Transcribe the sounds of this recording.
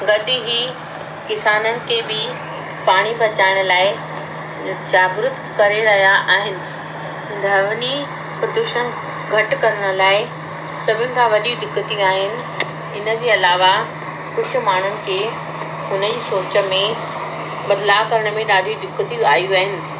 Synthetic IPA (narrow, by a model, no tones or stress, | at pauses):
ɡɐɗɪɦi | kɪsaːnənɪ̆kʰebɪ | paːɽ̃ipɐt͡ɕaːɪɽ̃ʊlaːɪ | t͡ɕaːɡɾʊt̪kɐɾeɾɐɦijaʔaːɦɪnɪ̆ | d̪ʱɐʋni | pɾɐd̪uːʃən | ɡʱɐʈkɐɾəɽ̃ə̆laːɪ | sɐbʱɪnɪ̆kʰãːʋɐɗiud̪ʱɪkːət̪iaːɦɪnɪ̆ | ɪnə̆d͡ʑeːɐlaːʋa | xʊʃ̆maːɳ̤ʊnɪ̆kʰeː | ɦʊnəd͡ʑiːsoːt͡ɕə̆mẽ | bɐd̪lakɐɾəɽ̃mẽɗaːɗʱiud̪ʱɪkːət̪iaːjuaːɦɪnɪ̆